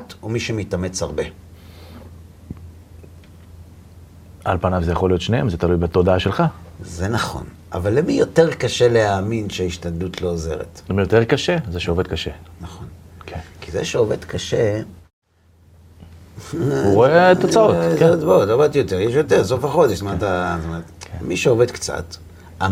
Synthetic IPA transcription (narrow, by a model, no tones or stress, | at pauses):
tomiʃemitame̞t͡shaʁbe | a̰lpanavzejaχolijo̞t̪ʃneemzet̪alujbet̪o̞d̪aaʃelχazenaχo̞̰n | a̰valːemijo̞teʁkaʃe̞leaːminʃeiʃtandut̪ʰlo̞ːze̞̰ʁḛt̪mijoteʁkaʃezeʃeoved̪̚kaʃenaχonkʰenkizḛʃeoved̪kaʃe | uʁoet̪ot͡saottbot̪ovad̚t̪jot̪eʁjeʃjo̞t̪eʁsofaχo̞d̪eʃmat̪atomeʁt̪miʃeove̞d̪kt͡sa̰t̪ | a